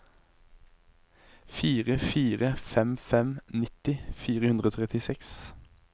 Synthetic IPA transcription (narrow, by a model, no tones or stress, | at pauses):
fiːʁəfiːʁəfɛmfɛmnɪt̪ɪfiːʁəhʉnʁoːt̪ʰʁɛt̪ɪsɛks